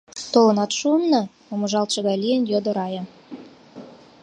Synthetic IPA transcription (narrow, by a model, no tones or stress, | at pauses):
t̪olɤ̆nɑt̪ʃumnɤ̆ | omɤ̆ʒɑlt̪ʃɤ̆ɣɑjlijənjod̪ɤ̆ɾɑjɑ